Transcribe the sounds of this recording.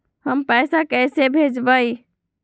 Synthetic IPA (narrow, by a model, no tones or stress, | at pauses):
həmpəjsakəjsebʱed͡ʒbəj